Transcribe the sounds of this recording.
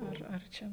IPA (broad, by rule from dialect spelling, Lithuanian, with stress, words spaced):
ˈɐr ɐr ˈt͡ʃʲɛ